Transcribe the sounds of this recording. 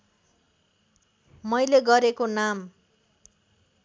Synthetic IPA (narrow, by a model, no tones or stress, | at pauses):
mʌjleɡʌɾekonam